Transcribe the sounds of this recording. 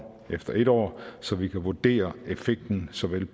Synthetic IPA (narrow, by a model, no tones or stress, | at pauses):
efd̥ɐʔe̝ɾ̥ɒ̰ːsɒ̽ʋikʰæʋuɐd̥e̝̰ːɐe̝feɡ̥̚d̥n̩sɒ̽ʋel